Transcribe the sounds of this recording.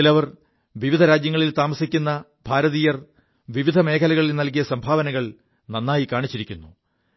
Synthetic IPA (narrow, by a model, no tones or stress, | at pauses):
ilɐʋɐr | ʋiʋid̪ʱɐɾaːd͡ʑjɐŋːɐɭilt̪aːmɐsikʲːunːɐ | bʱaːɾɐðiːjɐr | ʋiʋid̪ʱɐme̞ːkʰɐlɐɣɐɭilnɐlk̬ijɐsɐmbʱaːʋɐnɐɣɐɭ | nɐnːaːjikaːɳit͡ɕːiɾikʲːunːu